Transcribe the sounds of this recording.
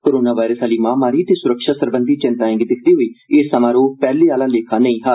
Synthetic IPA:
koːɾoːnaːʋaːɪɾəsaːliːmãːmaːɾiːt̪eːsʊɾəkʃaːsəɾbənd̪iːt͡ʃɪnt̪aːɪ̃ŋɡd̪ɪkʰd̪iːɦoiːɪsːəmãːɾoːpɛːleːaːlãːleːkʰaːnəĩːɦaː

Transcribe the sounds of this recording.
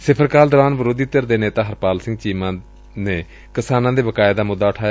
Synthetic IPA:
sɪpʰəɾkaːld̪ɔːɾaːnbəɾoːd̪iːt̪əɾd̪eːneːt̪aːɦəɾpaːlsɪ̃ŋɡ̚t͡ʃiːmãː | nẽː | kɪsaːnãːd̪eːbəkaːed̪aːmʊd̪ːaːʊʈʰaːj

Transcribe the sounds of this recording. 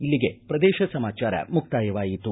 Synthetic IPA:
ilːiɡe̞pɾɐd̪ɛːʃɐsɐmaːt͡ʃaːɾɐ̰muk̚t̪aːjɐʋaːjit̪u

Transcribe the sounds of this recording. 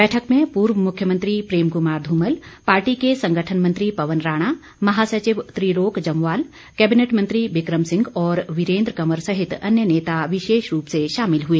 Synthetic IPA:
bɛːʈʰəkmẽpuːɾʋəmʊkʰjəmə̃nt̪ɾipɾeːmkʊmaːɾd̪ʱuːməlpaːɾʈikesɐ̃ŋɡʱəʈʰənmə̃nt̪ɾipɐʋənɾaːɽ̃aː | mɐɦaːsɐt͡ʃɪʋt̪ɾiɾoːkd͡ʒɐmʋaːl | kɛːbɪneːʈmə̃nt̪ɾiʋɪkɾəmsɪ̃ŋɡɔːɾʋɪɾẽːnd̪ɾəkɐməɾsɐɦɪt̪ɐ̰njəneːt̪aʋɪʃeːʃɾuːpseʃaːmɪlɦueː

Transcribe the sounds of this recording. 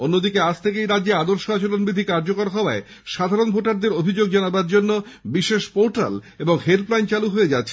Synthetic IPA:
onːod̪ikead͡ʑʰt̪ʰekejɾadd͡ʑead̪oɾʃoat͡ɕolonbɾid̪ʱikaɾd͡ʑokaɾɦɔoae | ʃad̪ʱaɾonbʱoʈaɾd̪eɾobʱid͡ʑoɡ̚d͡ʑanabaɾd͡ʑonːobiʃeʃpoɾʈal | eboŋhelplajnt͡ɕaluɦoed͡ʑatːɕʰe

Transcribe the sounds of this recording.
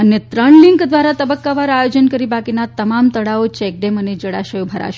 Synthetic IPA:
ənet̪ɾəɳliŋkd̪ʋaɾat̪əbəkːaʋaɾajod͡ʒənkəɾibakinat̪əmamt̪əɽaot͡ʃɛk̚ɖɛməned͡ʒəɽa̰ʃəjobʱəɾa̰ʃe

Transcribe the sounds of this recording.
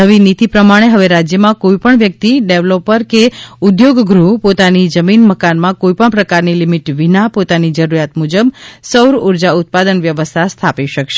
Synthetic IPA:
əʋinit̪ipɾəmaɽ̃eɦəʋeɾad͡ʒjəmãkoipəɳʋjək̚t̪iɖeʋlopəɾkeud̪joɡɡɾupot̪anid͡ʒəminməkanmãkoipəɳpɾəkaɾnilimiʈʋinapot̪anid͡ʒəɾuɾjat̪mud͡ʒəbsəwɾuɾd͡ʒaʊt̪̚pad̪ənʋjəʋəst̪ʰast̪ʰapiʃəkʃe

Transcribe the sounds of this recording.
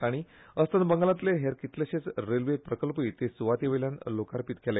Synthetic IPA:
aɽ̃i | əst̪ənbəŋɡlãt̪leɦeɾkit̪leɕet͡sɾelʋepɾəkəlpiːt̪esuʋat̪iʋəljanlokaɾpit̪kʰele

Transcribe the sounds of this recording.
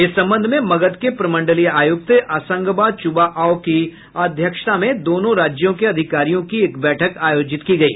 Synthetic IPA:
ɪsːɐ̃mbə̃nd̪ʱmẽmɐɡət̪kepɾɐmə̃ɳɖəlijaːjʊk̚t̪ʔasə̃ŋɡbat͡ʃʊbaʔaːoki | ɐd̪ʱjəkʃt̪amẽd̪oːnõɾaːd͡ʒjõkeɐd̪ʱɪkaːɾijõkieːkbɛːʈʰəkaːjoːd͡ʒɪt̪kiɡɐḭː

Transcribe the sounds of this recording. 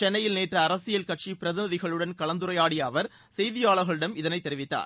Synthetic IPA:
t͡ʃɛnːɐjɪlneːʈrɐːɾɐsɪjɐlkɐʈ̚t͡ʃipɪɾɐðɪnɐðɪɣɐɭɯɽɐnkɐɭɐnd̪ɯɾɐjaːɽɪjɐːʋɐɾ | sɛjðɪjaːɭɐɣɐɭɯɽɐmɪðɐnɐɪt̪ːɛɾɪʋɪt̪ːa̰ːɾ

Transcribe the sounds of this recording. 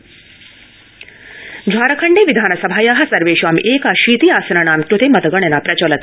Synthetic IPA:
d͡ʒʱaːɾɐkʰɐɳɖeːʋid̪ʱaːnɐsɐbʱaːjaːɦɐsɐɾʋeːʃʋaːmʔeːkaʃiːt̪iːaːsɐɾaɳaːmkɾut̪emɐt̪ɐɡɐɳenapɾɐt͡ɕɐlɐt̪ː

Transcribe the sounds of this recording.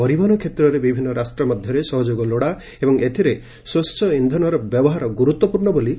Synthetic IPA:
pɔɾibaɾɔkʰet̪ɾɔɾebibʱinːɔɾasʈɾɔmɔd̪ʱjɔɾesɔɦɔd͡ʒoɡɔloɽa | ebɔŋet̪ʰiɾe | sost͡ʃɔind̪ʱɔnɔɾɔbjɔbɔɦaɾɔɡuɾut̪wɔpuɾɳɔboli

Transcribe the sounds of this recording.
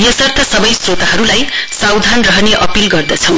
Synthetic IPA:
jʌsʌrt̪ʰʌsʌbʌjsrot̪aɦʌɾulajsawd̪ʱanrʌɦʌneʔʌpilɡʌrd̪ʌt͡sʰʌw̃

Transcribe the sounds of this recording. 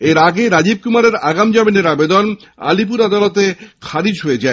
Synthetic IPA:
eɾaɡeɾad͡ʑib̚kumaɾeɾaɡamd͡ʑamineɾabed̪on | a̰lip̬uɾad̪alot̪ekʰaɾid͡ʑɦoed͡ʑae

